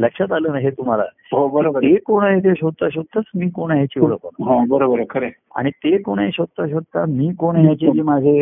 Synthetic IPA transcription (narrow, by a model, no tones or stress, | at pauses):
ləkʂat̪aləːnaɦet̪um̤ala̰ | ɦobəɾobəɾekoɽ̃aɦet̪eɕod̪̚t̪aɕ̬od̪ət͡smiːkoɽ̃aɦjat͡ɕiʋoɭə̰kːonɦãbəɾobəɾəkʰəɾe | a̰ɽ̃it̪ekoɽ̃eɕot̪ːaɕ̬od̪̚t̪amiːkoɽ̃ɦjat͡ɕed͡ʑiːmad͡zʱe